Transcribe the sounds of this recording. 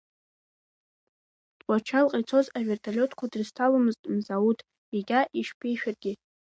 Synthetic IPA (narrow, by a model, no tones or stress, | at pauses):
d̥wʷʼat͡ʃʰalqʼijt͡sʰo̞zave̞rtʰalʲo̞tʰkʷʰadrstʰalamɨztʼmzautʰ | iɡʲaʔiʂpʰejʃᶣarɡʲɪ